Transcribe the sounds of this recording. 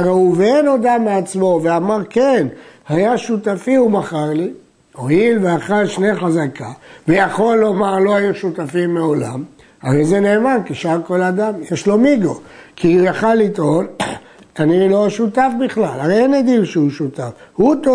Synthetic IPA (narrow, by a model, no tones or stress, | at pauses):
aʁauveenod̪ameat͡smo̞veamaʁkenhajaʃut̪afiumaχaʁli | oilveaχalʃneχazakʰavejaχo̞lːo̞maʁlo̞ajuʃut̪afimːeo̞la̰m | haʁejzeneːmankiʃaʁko̞lad̪amjeʃlo̞miɡokʰijaχalːit̪o̞l | taniloaʃut̪afbiχlalaʁejenad̪ilʃeuʃut̪afhut̪o